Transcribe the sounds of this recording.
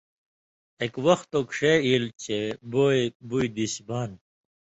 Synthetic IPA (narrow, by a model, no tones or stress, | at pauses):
ekwɐxt̪okʂeilt͡ɕʰeboːebujd̪iɕbaːn